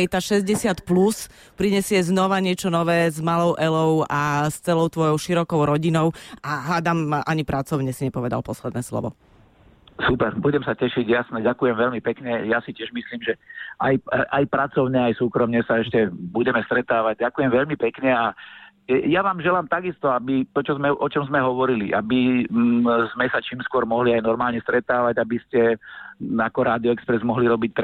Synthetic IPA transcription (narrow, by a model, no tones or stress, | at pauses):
jt̪aːʃɛzɟɛsɪat̪plus | pɾiɲɛsɪɛznɔʋaɲɪɛt͡ʃɔnɔʋɛːzmalɔʊʔɛlɔʊast͡sɛlɔʊt̪ʋɔjɔʊʃiɾɔkɔʊɾɔɟinɔʊaɦaːd̪amʔaɲipɾʔat͡sɔʊɲɛsiɲɛpɔʋɛd̪a̰lpɔslɛd̪nɛːslɔ̰ʋɔ̰ | supɛɾbuɟɛmsacɛʃiɟjasɲɛɟakujɛmʋɛʎmipɛkɲɛjasicɪɛʒmisliːmʒɛajʔajpɾat͡sɔʊɲɛajsuːkɾɔmɲɛsaɛʃcɛbuɟɛmɛst̪ɾɛt̪aːʋaɟ̚ɟakujɛmʋɛʎmipɛkɲɛa | jaʋaːmʒɛlaːmt̪aɡist̪ɔabit̪ɔt͡ʃɔzmɛʔɔt͡ʃɔmzmɛɦɔʋɔɾiliʔabi | zmɛsat͡ʃiːmskʊɔɾmɔɦliajnɔɾmaːlɲɛst̪ɾɛt̪aːʋaɟabiscɛ | akɔɾaːd̪iɔɛkspɾɛzmɔɦliɾɔbic̚t̪